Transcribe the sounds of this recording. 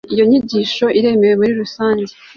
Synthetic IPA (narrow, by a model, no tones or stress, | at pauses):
ijo̞ɲiɟiːʃo̞ʔiɾe̞me̞we̞muɾiɾusaːɲɟe